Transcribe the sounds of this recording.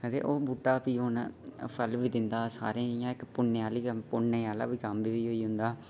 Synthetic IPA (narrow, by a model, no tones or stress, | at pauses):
kəd̪ḛːʔoːbuːʈːaːpiːɦʊnpʰəlʋiːd̪ɪnd̪aːsa̰ːɾẽːãːɪkpʊɳːeːaːliːəpʊɳːeːaːla̰ːʋiːkəmbiːʋiːɦoːiːɦʊnd̪aː